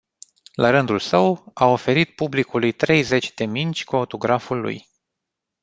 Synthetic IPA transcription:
lʔaɾɨnd̪ulsəwao̞fe̞ɾit̪̚publikulujt̪ɾe̞jze̞t͡ʃʲd̪e̞mint͡ʃʲkuo̞t̪o̞ɡɾafulːṵj

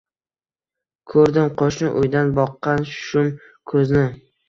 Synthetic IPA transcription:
kʰɵɾd̪ɪmqʰoʃnɪʔʊjd̪anbɒqːɑnʃʊ̥ʃʊm | kʰɵznɪ

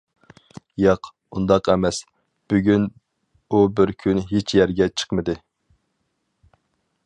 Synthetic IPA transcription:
jɑq | und̪ɑqɛmɛs | b̥yɡʲyn | ubɪɾkʲʰynɦet͡ʃʰjɛɾɡʲɛt͡ʃʰə̥qmɨd̪ɨ

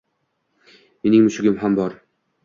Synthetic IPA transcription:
menɪŋmʊʃɪɡʲɪmhambɒɾ

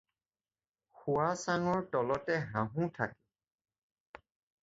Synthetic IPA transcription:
xuasanɔɹtɔlɔtɛɦãɦũtʰakɛ

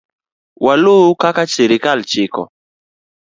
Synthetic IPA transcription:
walukakat͡ʃeɾikalt͡ʃɪkɔ̰

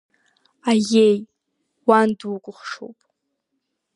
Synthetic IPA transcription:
ajej | wandwukʷʼʊχʂo̰wpʼ

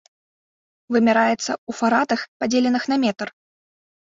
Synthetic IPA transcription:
vɨmʲɛɾajɛt̪sːɐufaɾat̪ɐxpad͡zʲelʲɛnɨxnɐmʲɛt̪r

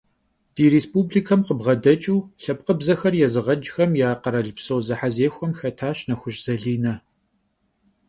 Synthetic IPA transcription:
d̥iːɾeːspubliːkʰɐmqəbʁɐdɐt͡ʃʼuːɬɐp̚qəbzɐxɐrjɛzɨʁɐd͡ʒxɐmjaːqɐɾɐɮpsowzɨħazeːxʷɔmxɐtʰaːɕnɐxʷʊɕʼz̥ɐɮiːnɐ

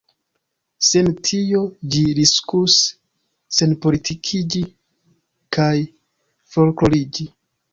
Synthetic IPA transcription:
se̞ntʰio̞d͡ʒiɾiskus | se̞npo̞litʰikʰid͡ʒi | kʰaj | fo̞lklo̞lid͡ʒi

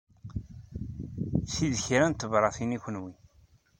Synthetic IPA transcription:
siðçɾænt̪ːəvɾˤɑθiniçʷənwi

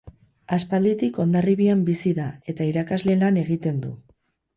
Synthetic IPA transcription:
aspald̪it̪iko̞nd̪ariβiambisiðae̞t̪aiɾakazle̞lane̞ɣit̪e̞nd̪ṵ

